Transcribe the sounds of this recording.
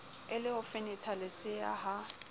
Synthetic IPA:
ɪlɪʊfɪnɪtʰalɪsɪaha

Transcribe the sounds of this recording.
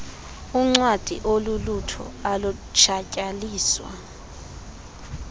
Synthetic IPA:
uŋ͡ǀwad̥ʱḭʔolulutʰɔ̰alut͡ʃʰacʼaliːswa̰

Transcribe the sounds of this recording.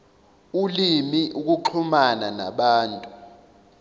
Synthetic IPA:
ulimiʔuk̬uǃʰumanana̰ɓaːntʼu

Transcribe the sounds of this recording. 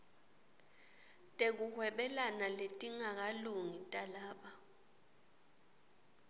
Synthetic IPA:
tʼek̬uhwɛɓɛlanaletʼiŋak̬aluŋitʼalaːɓa

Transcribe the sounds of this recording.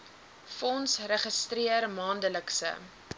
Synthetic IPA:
fɔnsrəχəstriərmɑːndələksə̰

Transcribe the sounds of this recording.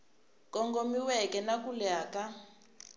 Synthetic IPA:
kɔŋɡomiwɛkɛnakulɛaːka

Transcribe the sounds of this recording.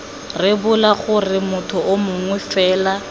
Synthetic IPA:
rɪbʊlaχʊrɪmʊtʰʊʔʊmʊŋwɛfɛːla

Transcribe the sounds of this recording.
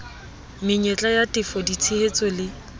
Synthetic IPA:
mɪɲet͡ɬʼajatʼɪfɔdit͡sʰihet͡sʼɔlɪ

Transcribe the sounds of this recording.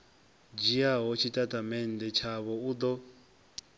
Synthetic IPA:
d͡ʒiaɦɔt͡ʃʰitʼatʼamɛn̩dɛt͡ʃʰaβɔud̪ɔ

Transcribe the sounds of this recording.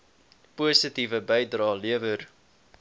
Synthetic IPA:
pusətivəbɛjdrɑːliəvər

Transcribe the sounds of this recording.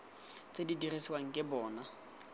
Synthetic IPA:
t͡sʼedidirisiwaŋ̩kʼɪbɔːna

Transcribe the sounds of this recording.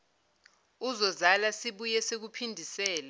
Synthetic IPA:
uzɔzalasiɓujɛsek̬upʰindʱisɛːla

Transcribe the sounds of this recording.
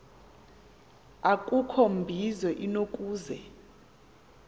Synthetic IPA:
akʼukʰombʱizwɛʔinokʼuːzɛ

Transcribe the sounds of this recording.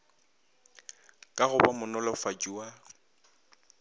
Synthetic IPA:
kʼaɣʊbamʊnɔlɔfad͡ʒʼua

